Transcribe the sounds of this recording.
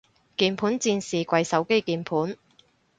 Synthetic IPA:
kiː˧npʰuː˨˥nt͡siː˧nsiː˨kʷɐ˧jsɐ˨˥wke˥jkiː˨˩npʰuː˨˥n

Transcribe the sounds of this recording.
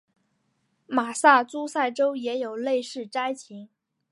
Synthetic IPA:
ma˨˩sa˥˩t͡su˥sa˥˩ɪʈ͡ʂo˥ʊjɛ˧˥jo˨˩ʊle˥˧ɪʂɻ̩˥˩ʈ͡ʂa˥ɪt͡ɕʰi˧˥ŋ

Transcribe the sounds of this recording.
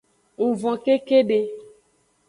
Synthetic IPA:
u˨vɔ̃˨ke˦ke˦ɖe˦

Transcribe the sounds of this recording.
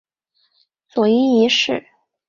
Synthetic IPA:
t͡swɔ˨˩i˥i˧˥ʂɻ̩˥˩

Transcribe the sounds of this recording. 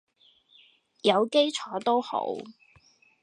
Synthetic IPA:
jɐ˨˧wke˥jt͡ʃʰɔː˨˧˥t̪o˥who̰˨˥w

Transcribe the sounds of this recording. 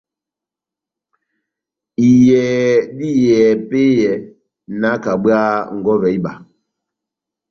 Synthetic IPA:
i˨jɛ˨di˦jɛ˨pe˦jɛ˨ | na˨˦ka˨ɓwa˦ŋ̩˨ɡɔ˦vɛ˨i˦ɓa˨

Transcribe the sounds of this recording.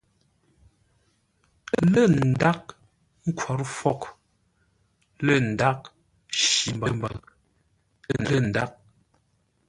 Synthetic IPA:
lə˦˨n̩˨da˦k̚ | ŋ̩˦kʰwɔ˨ɾfɔ˦˨k | lə˦˨n̩˨da˦k̚ | ʃi˨mbə˨mbə̰˨˦˨ | lə˦˨n̩˨da˦k̚

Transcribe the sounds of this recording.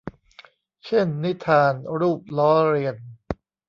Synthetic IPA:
t͡ɕʰe˥˩nːi˦˥t̪ʰaː˧nɾuː˥˩p̚lɔː˦˥ɾi˧ən

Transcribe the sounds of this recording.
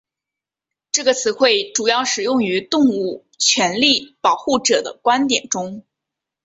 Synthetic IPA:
ʈ͡ʂɤ˥˩ɡə˩t͡sʰɹ̩˨˧˥xwe˥˩ɪʈ͡ʂu˨˩jɑ˥˩ʊʂɻ̩˨˩jʊ˥˩ŋy˧˥t̪ʊ˥˧ŋu˥˩ | t͡ɕʰɥɛ˧˥nli˥˩pɑ˨˩ʊxu˥˩ʈ͡ʂɤ˨˩d̪ə̰˦kwa˥nt̪jɛ˨˩nʈ͡ʂʊ˥ŋ

